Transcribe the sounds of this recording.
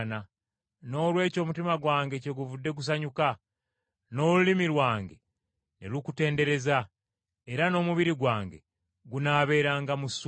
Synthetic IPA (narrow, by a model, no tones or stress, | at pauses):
na | no̞ːlwe̞ːco̞ːmutimaɡwaːŋɡe̞ce̞ɡuvudːe̞ɡus̬aɲuka | no̞ːlulimilwaːŋɡe | nḛlukute̞ːnde̞ɾe̞za | eɾano̞ːmuβiɾiɡwaːŋɡḛ | ɡunaːβe̞ːɾaːŋɡamus